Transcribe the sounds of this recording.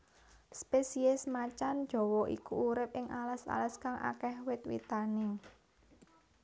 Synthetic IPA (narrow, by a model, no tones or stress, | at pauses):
spesiɪsmat͡ʃand̥ʒ̥ɔ̤wɔʔḭkuuɾɪp̚ɪŋʔalasa̰laskaŋʔa̰kɛhwɪt̪wḭt̪anɪŋ